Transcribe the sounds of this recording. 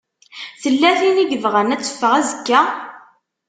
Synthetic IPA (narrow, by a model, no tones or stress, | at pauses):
θəlːæθiniɡəvʁənæt͡sːə̥fːəʁæzəkːæ